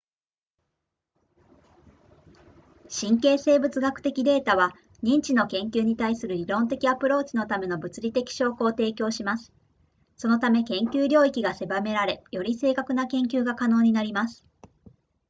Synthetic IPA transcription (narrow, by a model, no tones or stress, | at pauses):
ɕĩŋke̞ːse̞ːbɯ̟t͡sɨɡakɯ̟̥t̪e̞kʲid̪e̞ːt̪aβ̞a | ɲ̟ĩɲ̟t͡ɕino̞kẽ̞ŋkʲɨːɲ̟it̪aisɨɾɯ̟ɾʲiɾõ̞nt̪̬e̞kʲiapɯ̟ɾo̞ːt͡ɕino̞t̪ame̞no̞bɯ̟t͡sɨɾʲit̪e̞kʲi̥ɕo̞ːkoːt̪e̞ːkʲo̞ːɕimasɨ̥ | so̞no̞t̪ame̞kẽ̞ŋkʲɨːɾʲo̞ːikʲiɡase̞bame̞ɾaɾe̞jo̞ɾʲise̞ːkakɯ̟nakẽ̞ŋk̬ʲɨːɡakano̞ːɲ̟inaɾʲimasɨ̥